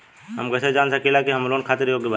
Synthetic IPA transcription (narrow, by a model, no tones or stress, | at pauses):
ɦɐ̰mkɛsed͡ʒaːnsəkilakiɦɐmloːnkʰaːt̪ɪɾjoːɡba